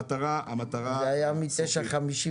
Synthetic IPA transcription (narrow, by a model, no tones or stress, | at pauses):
t̪aʁaamat̪aʁaveajamit̪eʃaχamiʃi